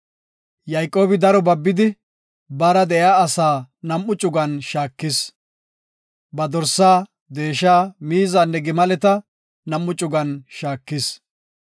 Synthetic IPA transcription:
jɐjkʼːo̞ːbɪd̪ɐɾɔbɐbːɪd̪ɪ | bɐɾɐd̪ɛjaːɐsaːnɐmːʊt͡ʃʼʊɡɐnʃaːkːɪs | bɐd̪ɔɾsːaː | d̪e̞ːʃaːmiːzaːnːɛɡɪmɐlɛt̪ɐ | nɐmːʊt͡ʃʼʊɡɐnʃaːkːɪs

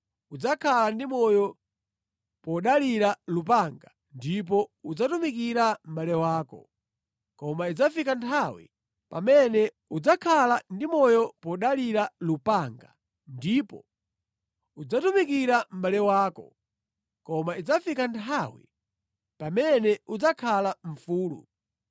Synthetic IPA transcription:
ud͡zakʰalandimɔjɔ | pɔɗaliɾalupaŋɡa | ndip̬ɔud͡zatumikiɾam̩ɓalɛwaːkɔ̰ | kɔmaid͡zafikantʰawḭ | pa̰mɛnɛ | ud͡zakʰalandimɔjɔpɔɗaliɾalupaŋɡa̰ | ndipɔ̰ | ud͡zatumikiɾam̩ɓalɛwaːkɔ̰ | kɔmaid͡zafikantʰawḭ | pamɛnɛud͡zakʰalaɱ̩fuːlṵ

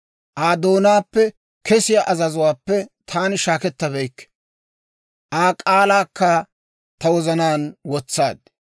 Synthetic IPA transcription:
ʔaːd̪oːnaːpːɛ | kɛsɪjaʔɐzɐzʊwaːpːɛt̪ʰaːnɪʃaːkɛt̪ːɐβɛjkːɛ̥ | ʔaːkʼaːlaːkːɐ | t̪ɐwɔzɐnaːnwɔt͡sːa̰ːd̪

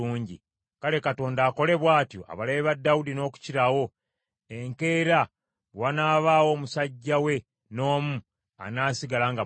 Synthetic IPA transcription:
uːɲɟḭ | kale̞kato̞ːndaːko̞le̞βwaːtjo̞̰ʔa̰βalaβeβadːawudino̞ːku̥ciɾawo̞ | eŋke̞ːɾa | wanaːβawo̞ːmusaɟːawe̞ | no̞ːmu | a̰naːsiɡalaŋɡa

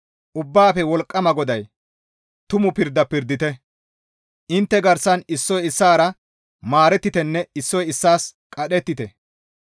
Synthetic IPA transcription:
ʔʊbːaːfɛwɔlkʼːɐmɐɡɔd̪ɐj | t̪ʊmʊpɪɾd̪ːɐpɪɾd̪ːɪt̪ɛ | ʔɪnt̪ːɛɡɐɾsɐnɪsːɔjɪsːaːɾɐ | maːɾɛt̪ːɪt̪ɛnːɛɪsːɔjɪsːaːskʼɐɗɛt̪ːɪt̪ɛ

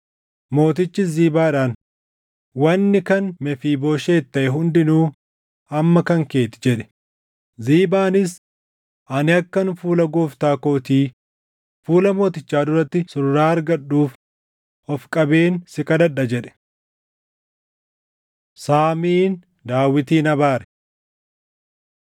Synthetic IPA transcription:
mo̞ːt̪ɪt͡ʃːɪziːbaːɪᶑaːn | wɐnːɪkɐnmɛfiːboːʃe̞ːt̪ːɐʔɛɦʊnd̪ɪnuː | ɐmːɐkɐŋke̞ːt̪ɪ̥d͡ʒɛᶑɛ̥ | ziːbaːnɪs̬ | ʔɐnɪɐkːɐnfuːlɐɡoːft̪aːkoːt̪iː | fuːlɐmo̞ːt̪ɪt͡ʃːaːd̪ʊɾɐt̪ːɪsʊɾɾaːɐɾɡɐɗːuːf | ɔfkʼɐbe̞ːnsɪkɐd̪ɐᶑːɐd͡ʒɛᶑɛ̥ | saːmiːn | d̪aːwːɪt̪iːnɐbaːɾɛ̥

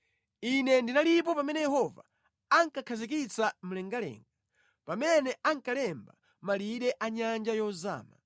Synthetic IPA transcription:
inɛndinalip̬ɔpamɛnɛjɛɦɔva̰ | aŋkakʰazik̬it͡sam̩lɛŋɡalɛ̰ːŋɡa | pamɛnɛaŋkalɛmba̰ | maliɗɛʔaɲand͡ʒajɔza̰ːma̰

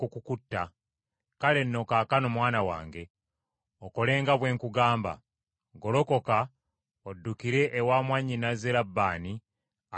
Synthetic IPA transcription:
kukukutːa | kale̞nːo̞kaːkanomwaːnawa̰ːŋɡe̞ | oko̞le̞ːŋɡaβwe̞ːŋkuɡaːmba̰ | ɡo̞lo̞ko̞ka | odːukiɾe̞ʔːwaːmwaɲːinazelabːaːni | a

